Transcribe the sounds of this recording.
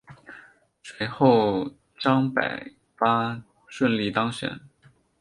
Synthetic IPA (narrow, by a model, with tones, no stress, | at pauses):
swe˧˥ɪxo˥˩ʊ | ʈ͡ʂɑ˥ŋpa̰˨˩ɪ | fa˥ | ʂwə˥˧nli˥˩t̪ɑ˥ŋɕɥɛ̰˨˥˦n